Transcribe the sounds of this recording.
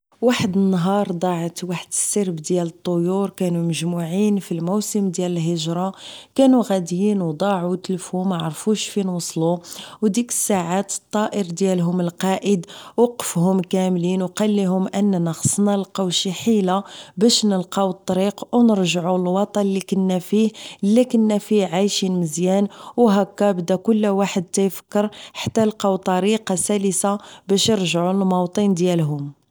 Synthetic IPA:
waħəd̪ənːɦɑɾˤd̪ˤɑʕət̪waħəd̪əsːiɾbd̪jælət̪ˤːojuɾkænuməʒmuʕinfilmusəmd̪jæləlɦəʒɾˤɑkænuɣæd̪jinwd̪ˤɑʕut̪əlfumæʕɑɾˤfuʃfinwɑsˤluwd̪ikə̥sːaʕat̪ə̥t̪ˤːɑʔəɾd̪jælɦʊməlqɑʔəd̪wɑqə̥fhʊmkæmlinwqɑlːiɦʊmʔənːænəxə̥sˤnɑlqɑwʃiħilabæʃnəlqɑwt̪ˤːɑɾiqwnəɾʒʕulwɑt̪ˤɑnlikənːæfihlːikənːæfiʕajʃinməzjænwɦækːæbd̪ækʊlːwaħəd̪̚t̪æjfə̥kːəɾħḁt̪ːælqɑwt̪ˤɑɾiqɑsæləsabæʃjəɾʒʕulmɑwt̪ˤənd̪jælɦʊm

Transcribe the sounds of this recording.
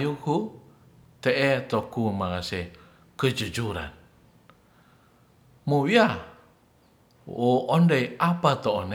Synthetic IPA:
juku | t̪ɛʔet̪ɔkumaŋase | kəd͡ʒud͡ʒuɾa̰n | muwia | oɔndejapat̪oːn

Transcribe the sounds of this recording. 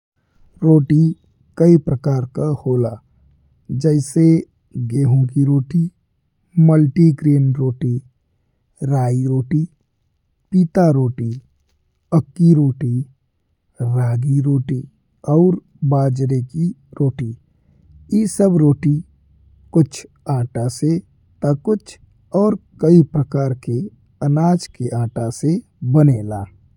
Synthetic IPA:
ɾoːʈi | kəipɾəkaːɾkahoːlaː | d͡ʒɛɪse | ɡeːɦõkiɾoːʈi | məlʈikɾeːnɾoːʈi | ɾaːiɾoːʈi | piːt̪aɾoːʈi | əkːiɾoːʈi | ɾaːɡiɾoːʈi | ɔːɾ | baːd͡ʒɾekiɾoːʈi | jesəbɾoːʈi | kʊt͡ʃʰ | ãːʈase | t̪akʊt͡ʃʰ | ɔːɾkəipɾəkaːɾke | ənaːd͡ʒkeʔãːʈase | bəneːlaː

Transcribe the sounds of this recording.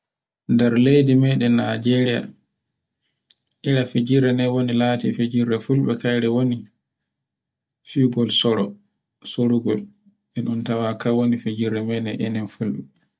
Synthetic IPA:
ndɛɾlejdimɛɗɛnad͡ʒɛɾija̰ | ʔiɾafed͡ʒiɾːɛnɛwonilatḭfed͡ʒiɾːɛfulɓɛkajɾɛwoni | fiɡɔlsɔɾɔ | soɾuɡɔl | ʔɛnɔntawakawonifed͡ʒiɾːɛmɛnɛʔɛnɛnfulɓɛ

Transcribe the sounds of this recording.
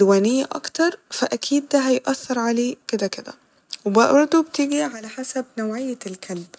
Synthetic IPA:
wæːnejːæʔɑ̰kt̪ɑɾˤfæʔækʰiːd̪ːæɦæjʔæθːɑɾˤʕaleːked̪æked̪æ̰ | webbɑɾˤd̪ˤobt̪iːɡiʕalæħasæb̚nowʕejːælkʰælb

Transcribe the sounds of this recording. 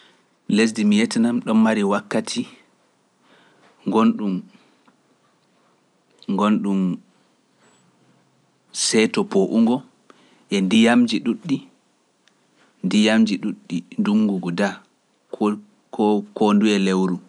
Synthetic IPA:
les̬dimijɛtɛnamɗɔmːaɾiwakːatʰi | ŋɡonɗum | ɡonɗum | sɛtɔpʰoʔuŋɡɔ | ʔɛndijamd͡ʒiɗuɗːi | ndijamd͡ʒiɗuɗːinduŋːɡuɡuda | kkonduɛlewɾu

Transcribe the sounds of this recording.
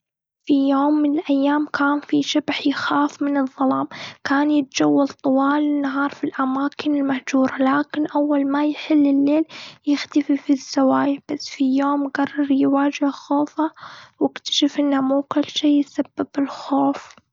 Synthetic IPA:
fijoːmːɪnɪlʔajːaːmkʰaːnfiʃabħjɪxaːfmɪnɨðˤːɑlɑːmkaːnjɪt̪̚d͡ʒawːalt̪ˤʊwɑːlɪnːaɦɑːɾˤfilʔamaːkɪnɪlmahd͡ʒuːɾˤalaːkɪnʔawːalmajħɪlːɪlːeːljɪxt̪afifiz̥ːawaːjab̥asːfijoːmɡɑrˤːɑɾˤjɪwaːd͡ʒɪhxoːfawɪkt̪ḁʃafʔɪnːamuːkʊlːʃeːjsabːɪbɪlxoːf

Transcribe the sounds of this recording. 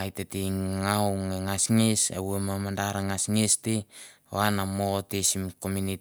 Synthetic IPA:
ajteteŋawŋeŋasŋesa̰wemamandaɾaŋasŋeste | o̰anamotesimkomuni

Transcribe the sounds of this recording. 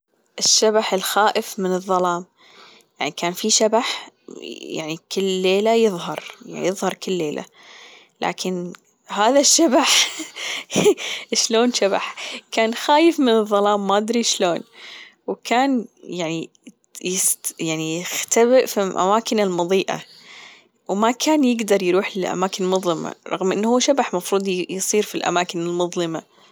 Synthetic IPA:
ʔɪʃːabaħɪlxaːʔɪfmɪnɨðˤːɑlɑːm | ja̰ʕnikʰaːnfiʃabaħ | ja̰ʕnikʰɪlːeːlajɨðˤɦɑɾˤja̰ʕnḭjɨðˤhɑɾˤkɪlːeːlʔa̰ | la̰ːkʰɪn | haːðaʃːabaħ | ʃloːnʃaba̰ħkaːnxaːjɪfmɪnɨðˤːɑlɑːmːad̪ɾiʃloːn | wkʰaːnjaʕni | jɪsjaʕnijɪxt̪abɪʔfiʔa̰maːkɪnɪlmʊðˤiːʔa̰ | wmakʰaːnjɪɡd̪ɑɾˤjɾuːħɪlʔa̰maːkɪnmʊðˤlɪma̰ɾˤɑ̰ɣmʔɪnːhuːʃabaħmɑfɾˤuːd̪ˤjɨsˤiːɾfilʔa̰maːkɪnɪlmʊðˤlɪma

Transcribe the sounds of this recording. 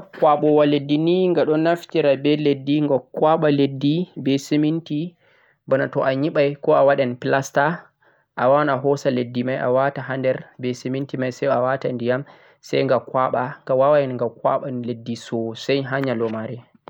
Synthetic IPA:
kwaɓɔwaledːiniŋɡaɗɔnaftiɾabɛledːiŋɡɔkwaɓaledːibɛseminti | bɔnatɔʔaɲiɓajkɔawaɗɛnpilasta | ʔawawnaɦɔsaledːimajʔa̰wataɦandɛɾbɛsemintimajsɛjawatandijam | sɛ̰jŋɡakwaɓaɡawawajɛnŋɡakwa̰ɓanledːisɔsɛjɦaɲalɔmaɾɛ

